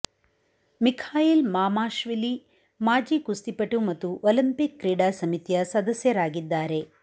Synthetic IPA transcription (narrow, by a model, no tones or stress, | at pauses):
mikʰaːjilmaːmaːʃʋili | maːd͡ʒiːkust̪ipɐʈumɐt̪ːuʔolimpikːɾiːɖaːsɐmit̪ijɐsɐd̪ɐsjɐɾaːɡid̪ːaːɾe̞